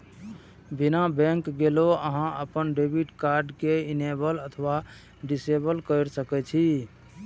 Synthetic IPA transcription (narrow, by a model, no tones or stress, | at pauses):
binabɛ̃ŋkɡeloəɦãəpənɖebʱiʈkaɾɖkeinebələt̪ʰʋa | ɖisebəlkəɪɾsəkɛt͡ʃʰi